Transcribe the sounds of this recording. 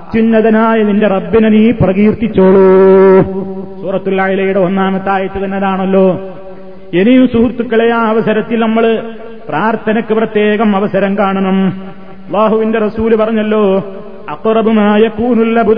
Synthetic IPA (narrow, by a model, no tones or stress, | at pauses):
ɐt̪junːɐðɐnaːjɐðinde̞rɐbːinɐniːprɐɣiːrt̪ːit͡ɕːoːɭu | suːrɐt̪ːulajilɐjuɽe̞o̞nːaːmɐt̪ːaːjɐt̪ːɨt̪ɐnːɐðaːɳɐlːo̞ː | e̞nijumsuːɾt̪ːukːɐɭejaːɐʋɐsɐɾɐt̪ːilnɐmːɐɭ | praːrt̪ʰɐnɐkːɨprɐt̪je̞ːɣɐmɐʋɐsɐɾɐŋkaːɳɐnɐm | ɐlˠˤːaːɦuʋinde̞rɐsuːlupɐrɐɲːɐlːo̞ː | ɐqrɐbumaːjɐkuːnulːɐbu